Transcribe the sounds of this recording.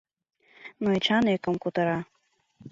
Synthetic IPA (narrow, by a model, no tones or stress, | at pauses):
noit͡ɕɑnekə̆mkut̪ɤ̆ɾɑ